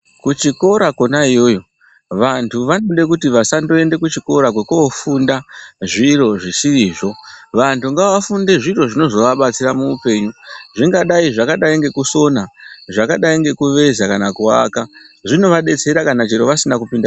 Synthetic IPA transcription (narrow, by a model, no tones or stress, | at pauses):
kut͡ʃiko̞ɾakonaijo̞jo̞ | ʋantʰuʋanoɗe̞k̬utiʋasando̞e̞nde̞kut͡ʃiko̞ɾak̬wekoːfundaʐiɾo̞ʐisiɾiːʐo̞ʋantuŋɡaʋafunde̞ʐiɾo̞ʐino̞zo̞ʋaɓat͡siɾamuupe̞ɲuʐiŋɡaɗaiʐakaɗaiŋɡe̞kuso̞naʐakaɗaiŋɡe̞kuʋe̞zakanakua̰kaʐino̞ʋaɗe̞t͡se̞ɾakanat͡ʃiɾo̞ʋasinakupinda